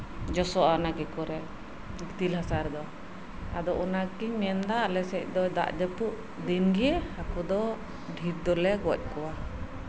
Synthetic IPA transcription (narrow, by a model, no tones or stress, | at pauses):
d͡ʒɔsɔʔanaɡɛkɔɾɛ | ɡit̪ilhasaɾd̪ɔ | ad̪ɔʔɔnakimɛnd̪aʔlɛsɛc̚ˀd̪ɔd̪a̰ʔd̪ɛpuʔ̚ | d̪inɡijɛhakud̪ɔ | ɖʱiɾd̪ɔlɛɡɔc̚ˀkɔwa